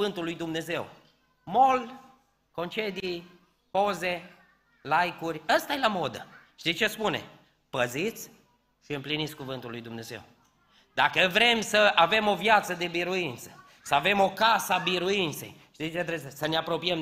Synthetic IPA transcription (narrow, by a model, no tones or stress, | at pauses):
ɨnt̪ulːujd̪umne̞ze̞w | mo̞l | ko̞nt͡ʃe̞d̪ij | po̞ze | lajkurʲast̪ajelamo̞d̪əʃt̪it͡ʃe̞spune̞̰ | pəzit̪sʲ | ʃiɨmplinit̪sʲkuvɨnt̪ulːujd̪umne̞ze̞̰w | d̪akəvɾe̞msəʔave̞mo̞vjat̪səd̪e̞biɾuint̪sə̥ | səave̞mo̞kasəabiɾuint̪se̞̰jʃt̪it͡ʃet̪ɾezesəneapɾo̞piəm